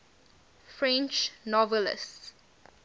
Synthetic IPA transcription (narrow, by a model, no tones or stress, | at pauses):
fɹɛ̃nt͡ʃnɔvɛlə̰s